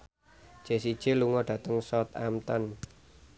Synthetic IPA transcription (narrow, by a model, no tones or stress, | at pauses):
d͡ʒ̥e̤sid̥ʒ̥eluŋɔɖ̥ä̤t̪əŋsɔt̪a̰mt̪an